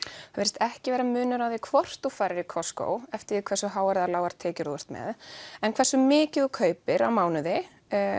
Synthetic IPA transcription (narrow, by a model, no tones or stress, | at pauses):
avɪɾɪst̪ɛhcɪvɛːɾamʏːnʏɾawðɪkʰvɔr̥t̪ufaːjɾɪɾikʰɔsko̰wɛft̪ɪɾikʰvɛsʏɦaːwaɾðalaːwaɾ̥t̪ʰɛːcɪɾu̥t̪mɛ̰ðɛnkʰvɛrsʏmɪːcɪðɔkʰœːɥpɪɾawmaːwnʏðɪ